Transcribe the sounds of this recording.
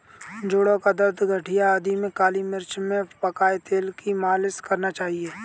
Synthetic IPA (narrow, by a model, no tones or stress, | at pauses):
d͡ʒʊːɽõkad̪ɐɾd̪ʱɡʱəʈʰijaːd̪imẽkaːlimɪɾt͡ʃmẽpɐkaːet̪eːlkimaːlɪskɐɾnat͡ʃaːɦieː